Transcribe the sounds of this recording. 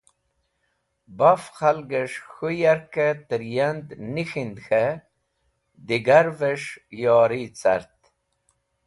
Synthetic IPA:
bafxalɡəʂxujaɾket̪əɾjand̪nixind̪xe | d̪iɡaɾveʂjɑːɾit͡sɐ̰ɾt̪

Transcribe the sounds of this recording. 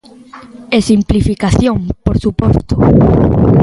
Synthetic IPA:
esimplifikaθjoŋpoɾsupɔst̪o

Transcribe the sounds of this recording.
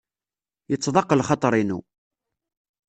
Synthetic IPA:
jət͡sːðˤɑqːəlχɑt̪ˤɾˤinṵ

